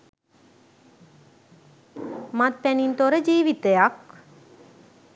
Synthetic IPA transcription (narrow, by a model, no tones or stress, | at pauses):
mat̪̚pænint̪oɾəd͡ʒiːʋit̪əjak